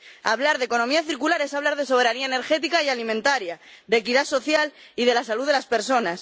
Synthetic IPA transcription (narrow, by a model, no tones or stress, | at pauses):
a̰βlaɾðeko̞no̞miaθiɾkulaɾe̞saβlaɾð̞e̞so̞β̞e̞ɾaniaene̞ɾxe̞t̪ikaialimẽnt̪aɾja | d̪ekiðaso̞θjal | ið̞e̞lasaluðeaspe̞ɾso̞nas